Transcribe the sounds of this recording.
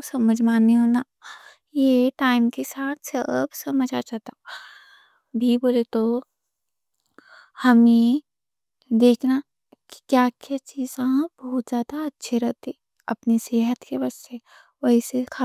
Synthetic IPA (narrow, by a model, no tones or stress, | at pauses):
sɐməd͡ʒʱmaːniɦoːna | jeʈaːɪmkesaːt̪ʰsə̰bsɐməd͡ʒʱat͡ʃat̪a | bʱiboːlet̪o | hɐme | d̪eːkʰna | ki̥kjaːkjat͡ʃiːzãbɔːt̪zjaːd̪aɐtːʃʰeɾɐɦt̪e | ɐpniseːɦət̪kebɐe | ʋɐɦisekʰa